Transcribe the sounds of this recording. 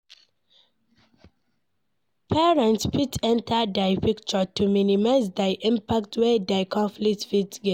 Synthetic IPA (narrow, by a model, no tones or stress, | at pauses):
pʰɛɹɛ̃ntspʰitʰɛ̃ntʰadaɪpikt͡ʃɔtuminimaɪzdaɪʔĩmpak̚twɛdaɪkʰɔ̃nfliktfitɡɛ